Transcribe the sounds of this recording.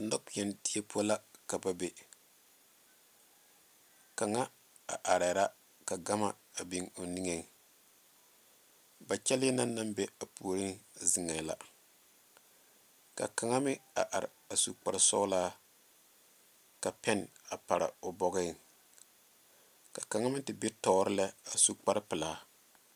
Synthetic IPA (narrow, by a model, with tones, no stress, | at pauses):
nɔ˦kjɛ˨nti˦e˦pʰo˦la˦ka˨ba˨be˨ | ka˨ŋa˦ | a̰˨ʔa˨ɾa˨ɾa˦ | ka˨ɡa˦ma˨ | a˨bi˦ŋo˨ni˦ŋe˨ | ba˨t͡ʃɛ˦lɛ˦na˦nːa˦mbɛ˦a˨pu˨o˨ɾi˦ŋzɨ˨ŋa˨la̰˦ | ka̰˨ka˨ŋa˦mɪ˦a̰˨ʔa˨ɾɪ̰˨a˨su˦˨k͡pa˨ɾɪ˨sɔ̰˦laː˦ | ka˨pɛ˦n˨a˨pa˨ɾa̰˨ʊ˨bɔ˦ɣɛ˦˨ | ka˨ka˨ŋa˦mɪ˦tɪ˨be˦tɔ˨˦ɾɪ˦la˦a˨su˦k͡pa˦ɾɪ˦pɪ˨laː˨˦